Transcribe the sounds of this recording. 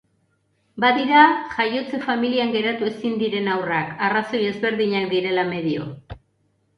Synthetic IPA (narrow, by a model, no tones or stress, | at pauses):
baðiɾaʝajo̞t͡se̞familiaŋɡe̞ɾat̪ue̞sind̪iɾe̞nawrakaraso̞je̞zβe̞ɾðiɲakd̪iɾe̞lame̞ðio̞̰